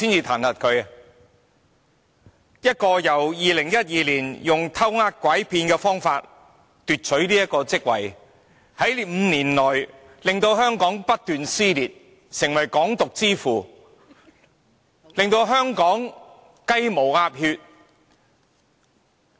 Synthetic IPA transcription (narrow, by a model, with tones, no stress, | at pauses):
siː˥nt͡siː˧t̪ʰaː˨˩nhɐ˨t̚kʰɵ˨˧ɥɐ˨ | jɐ˥t̚kɔː˧jɐ˨˩wjiː˨˧lɪ˨˩ŋjɐ˥t̚jiː˨˧liː˨˩njʊ˨ŋt̪ʰɐ˥wŋaː˥t̚kʷwɐ˨˥jpʰiː˧nkɛː˧fɔː˥ŋfaː˧t̚ | t̪yː˨t̚t͡sʰɵ˨˥ɥliː˥jɐ˥t̚kːɔː˧t͡sɪ˥k̚wɐ̰˨˩j | hɐ˨˥jm̩ː˨˧niː˨˩nlɔː˨˩j | lɪ˨ŋt̪o˧wɦœː˥ŋkɔː˨˥ŋpɐ˥t̚t̪yː˨nsiː˥liː˨t̚ | sɪ˨˩ŋwɐ˨˩jkɔː˨˥ŋt̪ʊ˨k̚t͡siː˥fuː˨˩ | lɪ˨ŋt̪o˧wɦœː˥ŋkɔː˨˥ŋ | kɐ˥jmo˨˩waː˧p̚hyː˧t̚